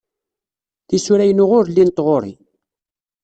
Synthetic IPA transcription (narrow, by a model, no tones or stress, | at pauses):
θisuɾæjənʊʁʊɾlːint̪ˤʁoɾˤḭ